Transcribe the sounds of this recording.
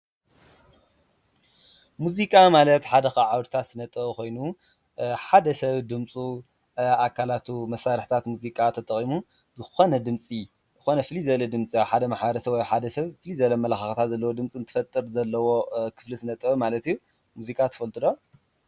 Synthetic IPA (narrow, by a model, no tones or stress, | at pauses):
muzikʼamalɐt̪ħad̪ɐxɐʕawɾʰt̪ʰat̪zɨnɐt̪ʼɐβkʰo̞jnu | ħad̪ɐsɐβd̪ɨmt͡sʼu | akʰːalat̪ʰumɐsːaɾɨħt̪ʰat̪muzikʼat̪ʰɐt̪ʼɐχʼimu | zɨxo̞nɐd̪ɨmt͡sʼi | zɨxo̞nɐfɨlizɐlɐd̪ɨmt͡sʼijawħad̪ɐmaħaɾɐsɐβwojħad̪ɐsɐβfɨlizɐlɐmɐlaxaxt̪ʰat̪zɐlːɐwod̪ɨmt͡sʼiɨnt̪ʰɨ̥fɐt̪ʼːɨɾzɐlːɐwo̞kʰɨ̥flizɨnɐt̪ʼɐmalɐt̪ijːu | muzikʼat̪ʰɨ̥fɐlt̪ʼɨd̪o